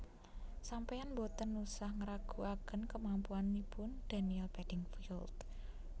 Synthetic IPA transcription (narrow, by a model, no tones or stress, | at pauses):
sampajanbot̪ənusahŋəɾaɡ̥ṳakənkəmampuanːipʊnd̪̥a̤niɛlb̥ɛd̥ɪŋfild̪